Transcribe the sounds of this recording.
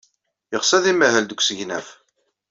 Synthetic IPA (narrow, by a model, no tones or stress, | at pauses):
jəʁsæðimæhæld̪əkʷːsəʝnæf